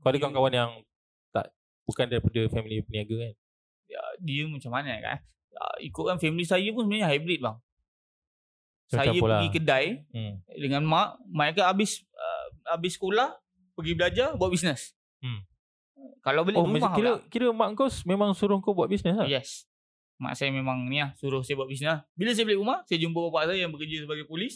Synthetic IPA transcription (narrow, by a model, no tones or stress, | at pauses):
kaadəkaankawanjaŋ | t̪a̰ʔ | bukandaɾipadəfɛmilipəniaɡəkan | ə̰diəmat͡ʃamːanaka̰ʔ | ə̰ḭkʊʔ̚kanfɛmilisajəpʊnsəbənaɲəɦajbɾit̪̚baŋ | saajəoləaɡikədaj̩ | dəŋanmaʔmaakaabɪsə̰abɪsːə̥kolah | pəɡibəlad͡ʒabuat̪̚bisnəs | kalawbəlɪɾummaiɾəkiɾəmaʔŋkosmemaŋsuɾʊhŋkobuaʔ̪̚bisnəsjɛs | ma̰ʔsajamemãŋniahsuɾʊhsajabwaʔ̚bisnəbilas̬ajəbəlɪʔumahsajəd͡ʒumbəpapaʔsajajaŋbəkəd͡ʒəsəbaɡajpulɪs